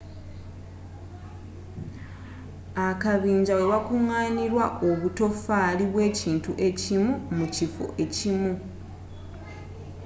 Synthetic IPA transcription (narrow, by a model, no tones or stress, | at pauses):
akaβiːɲɟawe̞βakuŋːaːniɾwaʔo̞βuto̞faːliβwe̞ːciːntuʔe̞cimumucifo̰ʔe̞cimu